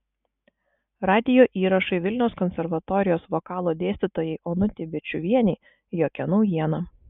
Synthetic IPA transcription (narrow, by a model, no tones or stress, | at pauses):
ɾɑːd̪ʲɪjoːʔiːɾɐʃɐɪʋʲɪlʲnʲɛʊskɔnʲsʲɛɾʋɐt̪ɔːɾʲɪjoːsʋoːkɑːlˠoːd̪ʲeːsʲt̪ʲɪt̪oːjɛɪʔɔnʊt̪ʲɪbʲɪt͡ʃʲʊʋʲiɛnʲɛɪ | joːkʲɛnɐʊjiɛnɐ